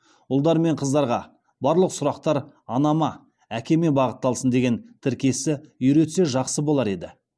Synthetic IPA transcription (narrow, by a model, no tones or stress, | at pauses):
ʊlˠd̪ɑɾme̞ɴqʰəzd̪ɑɾʁɑ | bɑɾlˠəqsʊɾɑqt̪ɑɾ | ɑnɑmɑ | ækʲe̞me̞bɑʁət̪ːɑlˠsənd̪e̞ɡʲe̞nt̪ʰɪɾkʲe̞sɪʏjɾe̞t̪se̞ʒɑqsəbo̞lˠɑɾe̞d̪ɪ